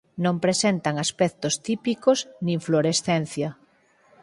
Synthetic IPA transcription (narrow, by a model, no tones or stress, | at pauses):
nõmpɾesent̪ɐŋaspɛk̚t̪ost̪ipikosnĩɱfloɾesθɛnθjɐ